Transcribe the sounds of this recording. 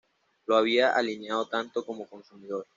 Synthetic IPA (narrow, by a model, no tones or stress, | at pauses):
loaβ̞iaʔalinjaðot̪ant̪oko̞mo̞ko̞nsumiðoɾ